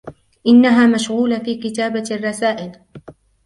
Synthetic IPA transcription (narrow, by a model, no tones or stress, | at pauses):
ʔɪnːaɦaːmaʃɣuːlafiːkɪt̪aːbarˤːɑsaːʔɪl